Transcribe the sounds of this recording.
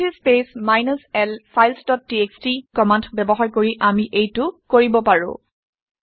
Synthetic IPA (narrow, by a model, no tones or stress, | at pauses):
ispesmajnɔsɛlfʰajlsdɔt̚ːiekstikɔmandbɛbɔɦaɹkoɹiʔamiʔejtʊkoɹibɔpaɹʊ̰̃